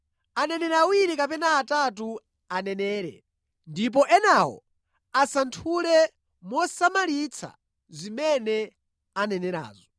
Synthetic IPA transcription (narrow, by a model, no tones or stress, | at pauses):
anɛnɛɾawiɾikapɛnaːtatu | anɛnɛːɾɛ̰ | ndip̬ɔʔɛnawɔ̰ | asantʰulɛ | mɔsamalit͡sʰa̰ | zimɛnɛ | anɛnɛɾa̰ːzɔ